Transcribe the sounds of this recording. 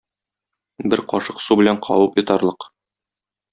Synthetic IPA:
bɘɾqɒʃɤqsubɘ̆læɴqʰɒ̰wɤpjŏt̪ɑɾlˠɤq

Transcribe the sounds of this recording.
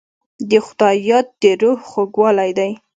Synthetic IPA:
d̪əxʊd̪ɑjɑt̪̚d̪əɾohxoɡwɑlajd̪aj

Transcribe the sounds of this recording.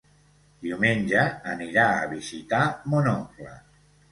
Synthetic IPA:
d̪iwmenʲʒəːniɾaə̰βizit̪amonɔplə̰

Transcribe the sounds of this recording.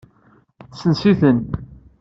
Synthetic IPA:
sənsiθən

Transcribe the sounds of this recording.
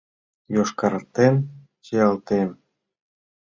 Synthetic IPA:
joʃkɑɾt̪en | t͡ɕejɑlt̪em

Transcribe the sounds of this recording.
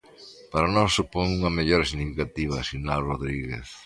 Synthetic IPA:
paɾanɔsːupoŋuŋɐmeʎoɾsiɣnifikat̪iβ̞ɐ̰sinalroðɾiɣḛθ

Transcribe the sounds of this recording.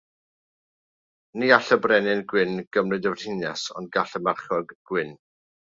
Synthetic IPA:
niaɬəbrɛnɪnɡwɪnɡ̥əmrɨdəvr̥ɪnjasɔ̰ndɡaɬəmarχɔɡɡ̥wɪn

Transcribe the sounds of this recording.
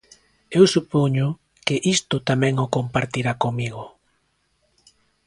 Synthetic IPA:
ewsupoɲʊ | kɪʔist̪ʊt̪amɛ̃ŋʊkompaɾt̪iɾakomiɣʊ

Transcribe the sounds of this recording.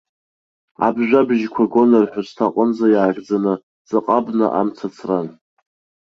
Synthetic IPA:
a̰bʒᶣʷabʒkʷʰaɡo̞nɨrħʷᶣastʰaqʼənzajaːʒd͡zanɨ | d͡zaqʼabnɨ̰ʔa̰mt͡sʰat͡sʰran

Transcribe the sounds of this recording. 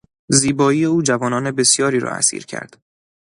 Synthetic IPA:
ziːbɒːiːje̞uːd͡ʒævɒːnɒːne̞be̞sjɒːɾiːɾɒ̰ːæ̰sḭːɾcʰæ̰ɾd̪̥

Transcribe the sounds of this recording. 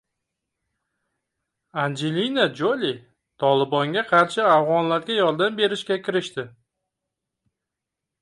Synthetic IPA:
and͡ʒelinad͡ʒolʲi | t̪ʰɒlɪbɒŋɡʲaqʰɑɾʃɪavʁɒnlaɾɡʲajɒɾd̪ambe̞ɾɪʃkʲakʲʰɪɾɪʃt̪ɪ

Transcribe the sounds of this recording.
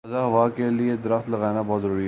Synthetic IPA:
ɐzaɦɐʋakelied̪ɐɾəxt̪lɐɣaːnabɔːt̪zəɾuːɾi

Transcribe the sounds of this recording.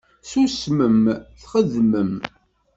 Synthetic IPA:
susməmθχəðməm

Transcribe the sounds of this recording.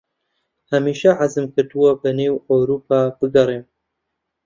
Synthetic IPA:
hamiːʃaʕazɨmkɨɾt̪ɨwɔbɨneːwowɾuːpʰaːbɨɡɐɾeːn

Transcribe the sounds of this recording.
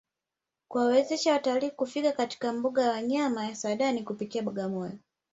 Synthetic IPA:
kuwawɛzɛʃawataliːkufikakati̥kam̩buɠajawaɲamajasaɗanikupikiaɓɔɡamɔjɔ

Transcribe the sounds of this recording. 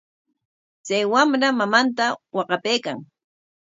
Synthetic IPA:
t͡sajwamɾamamant̪awɑqɑpejka̰ŋ

